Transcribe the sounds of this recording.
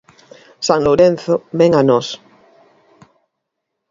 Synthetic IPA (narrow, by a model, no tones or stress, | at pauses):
saŋloɾẽn̟θobeŋanɔs